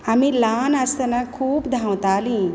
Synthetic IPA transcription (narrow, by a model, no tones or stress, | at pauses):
amĩlaːnɐst̪ənakʰuːbd̪ʱawt̪aːlĩ